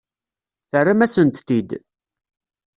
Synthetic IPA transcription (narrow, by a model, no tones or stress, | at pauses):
θərːamæsənt̪ːid̪